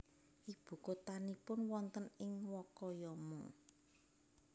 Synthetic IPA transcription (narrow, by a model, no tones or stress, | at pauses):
ʔib̥ṳkot̪anipʊnwɔnt̪ənɪŋwɔkɔjɔmɔ